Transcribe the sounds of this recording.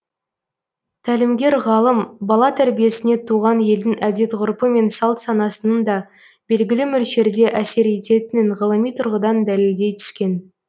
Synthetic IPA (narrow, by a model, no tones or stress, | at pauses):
t̪ʰælɪmɡʲe̞ɾʁɑlˠəmbɑlˠɑt̪ʰæɾbije̞sɪne̞t̪ʰuʁɑnje̞ld̪ɪŋæd̪e̞t̪ʁʊɾpəme̞nsɑlˠt̪sɑnɑsənənd̪ɑ | b̥e̞lɡʲɪlɪmʏlʃe̞ɾd̪e̞ʔæse̞ɾet̪e̞t̪ɪnɪŋʁəlˠəmijt̪ʰʊɾʁəd̪ɑnd̪æle̞ld̪e̞jt̪ʰʏ̥skʲe̞n